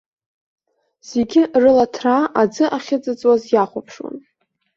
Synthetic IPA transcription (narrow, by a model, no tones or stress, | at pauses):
z̥e̞ɡʲɪrɨlatʰraʔad͡zɨʔaχʲɪd͡zʼɨt͡sʼwazjaχʷapʰʂwa̰n